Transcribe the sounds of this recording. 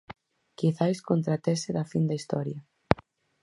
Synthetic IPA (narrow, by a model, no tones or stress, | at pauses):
kiθajskont̪ɾat̪eseðafind̪aist̪ɔɾja